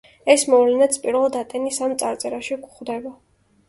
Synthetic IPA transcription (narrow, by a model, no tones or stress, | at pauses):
ɛsmɔvlɛnat̪sʰpʼiɾvɛlˠd̪at̪ʼɛnisamt̪sʼaɾt̪sʼɛɾaʃiɡχd̪ɛba